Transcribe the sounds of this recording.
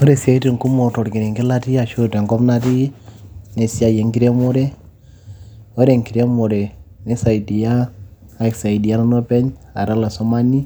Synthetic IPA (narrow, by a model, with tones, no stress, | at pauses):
o˦ɾe˨si˨a˦i˦ti˨ŋku˦mɔ˨tɔ˨ɾki˨ɾe˨ŋɡɪ˦la˦ti˦a˨ʃo˦te˨ŋɡɔ˦pna˦ti˦ | ne˨si˦a˦je˨ŋɡi˦ɾe˦mo˦ɾe˦ | ɔ˦ɾe˨ŋki˨ɾe˦mo˨ɾe˨ne˦sa˨i˨di˨jaː˦˨ɛ˨ksa˨i˨di˨a˦nɔ˦no˦pɛ˦ɲa̰˨ɾa˦la˨sɔ˦ma˦ni˦